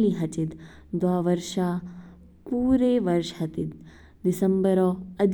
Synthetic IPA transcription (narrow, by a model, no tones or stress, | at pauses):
liɦɐt͡ʃid̪ | d̪ʋaːʋɐɾʃaː | puːɾeːʋɐɾʃɦɐt̪it̪̚ | d̪isɐmbɐɾoːɐd̪